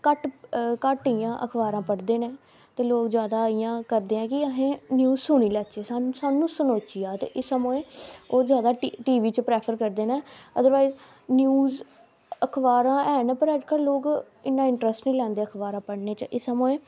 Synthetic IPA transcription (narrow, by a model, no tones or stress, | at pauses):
kəʈkəʈijãːʔəkʰʋaːɾãːpəɽd̪eːnɛ̃ː | t̪eːloːkzjaːd̪aːijãːkəɾd̪eːãːkɪəɦẽːnjuːzsʊɳ̃iːlɛːt͡ʃeːsaːsaːnũːsʊnoːt͡ʃiːaːt̪ḛːʔɪsəmõːẽːoːzjaːd̪aːʈiːʋiːt͡ʃpɾɛːpʰəɾkəɾd̪eːnɛ̃ːəd̪əɾʋaːiz | njuːz | əkʰʋaːɾãːɛːnɛ̃ːpəɾəd͡ʒkəlloːk | ɪnːãːɪɳʈɾəsʈnĩːlɛ̃ːnd̪eːəkʰʋaːɾãːpəɽneːt͡ʃʔɪsəmõːẽː